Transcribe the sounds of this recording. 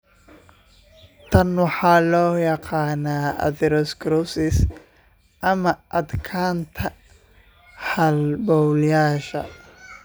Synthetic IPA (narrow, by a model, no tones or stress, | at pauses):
t̪ʰɐnwɑħɑːlɔːjɑqɑːnaːɐ̰ðɪɾɔskɾɔsɪs | ʔɐmɐʔɐd̪kʰaːnt̪ʰɐ | hɐlbɔwljaːʃɐ̰